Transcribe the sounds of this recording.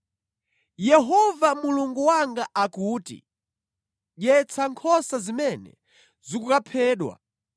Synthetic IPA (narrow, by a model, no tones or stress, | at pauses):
jɛɦɔvamuluŋɡuwaŋɡaʔakuːtḭ | ʄɛt͡sʰaŋkʰɔsazimɛnɛ̰ | zikukapʰɛːɗwa̰